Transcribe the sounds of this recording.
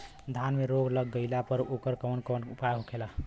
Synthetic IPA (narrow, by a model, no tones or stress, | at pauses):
d̪ʱanmeɾoɡʱləɡːəɪlapəɾokəɾkɔnkɔnupaɦokʰela